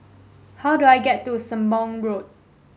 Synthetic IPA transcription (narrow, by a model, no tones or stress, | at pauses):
hawduajɡɛtːusə̃mbɔ̃ŋɹot̚